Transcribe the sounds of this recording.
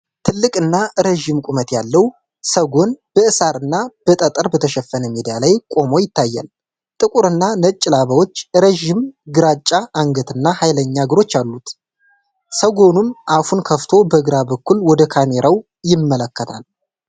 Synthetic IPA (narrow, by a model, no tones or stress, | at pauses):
t̪ʰɨlːɨkʼɨnːaɾəʒɪmkʼumət̪jalːəw | səɡo̞nb̥əɨsaɾɨnːab̥ət̪ʼət̪ʼəɾbət̪ʰəʃɛfːənəmid̪ijalajkʼo̞mo̞jɪt̪ʰːajːa̰l | t̪ʼɨkʼuɾɨnːanət͡ʃʼːɪlaβəwo̞t͡ʃːɾəʒɪmɡɨɾat͡ʃʼːaʔːŋɡət̪ʰɨnːahajləɲːaɡɨɾo̞t͡ʃːalːut̪ | səɡo̞nunʔafunkʰəft̪ʰo̞bəɨɡɾabəkːulwɔd̪əkʰame̞ɾaw | jɪmːələkːət̪ʰa̰l